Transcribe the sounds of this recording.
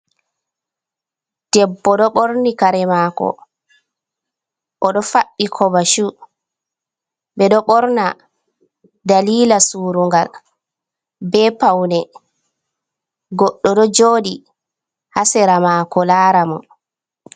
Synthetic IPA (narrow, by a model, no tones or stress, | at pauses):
d̥ɛbːɔɗɔɓoɾnikaɾɛmakɔ̰ | ʔɔɗɔfaɓːikʰɔbaʃu | ɓɛɗɔɓɔɾna | daliːlasuːɾuŋɡal | bɛpawnɛ | ɡɔɗːɔɗɔd͡ʒoːɗi | hasɛɾamaːkɔlaːɾamɔ̰